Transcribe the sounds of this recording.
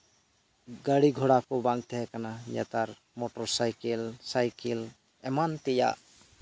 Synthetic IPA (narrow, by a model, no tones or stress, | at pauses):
ɡaɽiɡʱoɽakobãŋɡ̚t̪ʰɛɦɛkanaja̰t̪aɾ | moʈɔɾsajkelsajkel | ɛmant̪ija̰